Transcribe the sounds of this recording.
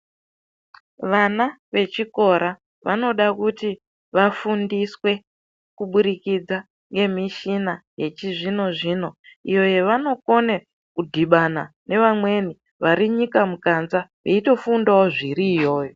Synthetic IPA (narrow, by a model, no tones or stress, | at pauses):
ʋanaʋe̞t͡ʃiko̞ɾa | ʋa̰no̞ɗakuti | ʋafundiswe̞ | kuɓuɾikid͡za | ŋɡe̞miʃinajet͡ʃiʐino̞ʐiːno̞ḭjo̞je̞ʋano̞ko̞ne | kudʱiɓanane̞ʋamwe̞ni | ʋaɾiɲikamukanzaʋeito̞fundaoʐiɾiːjo̞ːjo̞